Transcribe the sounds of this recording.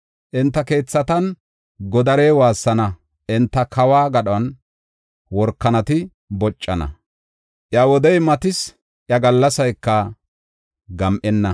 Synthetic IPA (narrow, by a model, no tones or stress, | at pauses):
ʔɪnt̪ːɐke̞ːt͡sːɐt̪ɐn | ɡɔd̪ɐɾeːwaːsːɐnɐ | ʔɪnt̪ːɐkʰɐwaːɡɐɗɐn | wɔɾkːɐnɐt̪ɪ | bɔt͡ʃʼːɐnɐ̰ | ʔjawɔd̪ɛjmɐt̪ɪs | ʔjɐɡɐlːɐsɐjkːɐ | ɡɐmʔɛnːɐ